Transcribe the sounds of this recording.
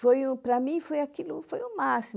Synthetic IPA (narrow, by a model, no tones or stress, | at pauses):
fojũpɾɐmĩfojakilʊfojʊmasi